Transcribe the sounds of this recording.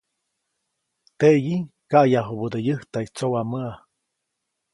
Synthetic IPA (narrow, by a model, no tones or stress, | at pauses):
t̪eʔjikaʔjaɦubud̪ejəht̪ait͡sowaməa